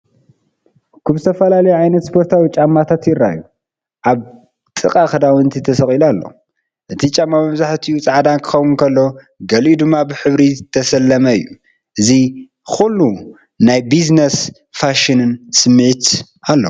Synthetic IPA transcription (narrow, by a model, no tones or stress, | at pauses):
kʰaβzɨt̪ʰɐfɐlalɐjuʕajnɐt̪spʰo̞ɾt̪ʰawit͡ʃʼamːat̪ʰat̪jɪrːa̰ju | ʔaβ | t̪ʼɨkʼaxɨd̪awɨnt̪ʰit̪ʰɐsɐxʼilalːo̞̰ | ʔɨt̪ʰit͡ʃʼamːamɐβzaħt̪ʰiut͡sʼaʕad̪ankʰɨ̥xɐwunkʰɐlːo̞ | ɡɐlʔid̪ɨmːabɨħɨβɾit̪ʰɐsɐlːɐmɐɨ̰jːu | ʔɨzi | xulːu | najbiznes | faʃinɨnsɨmːɨʕit̪ | alːo